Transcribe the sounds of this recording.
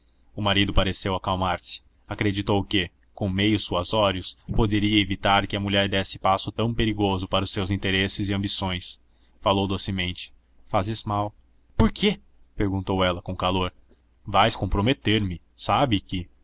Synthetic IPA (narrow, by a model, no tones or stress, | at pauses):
ʊmaɾid̪ʊpaɾesewɐkawmaɾsɪ̥ | akɾed͡ʒit̪owkɪ | kõw̃mejʊsːuɐzɔɾiʊspod̪eɾiɐevit̪aɾkɪɐmuʎɛɾd̪ɛsɪ̥pasʊt̪ɐ̃w̃peɾiɡozʊpaɾɐʊsːewzĩnt̪eɾesɪzɪɐ̃bisõj̃s | falowd̪osɪmẽnt͡ʃɪ̥ | fazɪzmaw | poɾkʰe | peɾɡũnt̪owɛlɐkõkaloɾ | vajskõpɾomet̪eɾmɪ | sabɪkɪ